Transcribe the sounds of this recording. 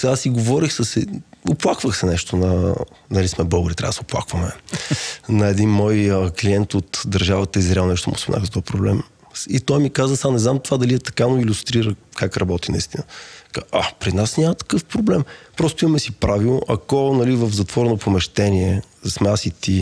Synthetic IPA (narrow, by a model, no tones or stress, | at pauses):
asiɡovɔɾixsəsɛʊplˠakvəxsɛnɛʃt̪onɐnɐlismɛbɤɡɾit̪ɾa̰d̪soplˠa̰kvɐmɛ | nɐɛd̪inmɔjəkliɛnt̪ot̪d̪ɐɾʒavət̪əizɾɛɛlˠnɛʃ̬t̪omʊ̰smɛna̰xzɐt̪ɔpɾoblɛ̰m | it̪ɔjmikazəsamnɛznamt̪ovad̪ɐliɛt̪ɐ̥kanoilʲʊst̪ɾiɾəkakɾɐbɔt̪inɐ̰ḭst̪inəkaapɾinasnʲamət̪ɐ̥kɤfpɾʊblɛmpɾɔst̪ʊimɐmɛsipɾavilˠno̰ʔɐkɔnɐlivəfzɐt̪vɔɾɛnopʰomɛʃt̪ɛniɛsmɛasit̪i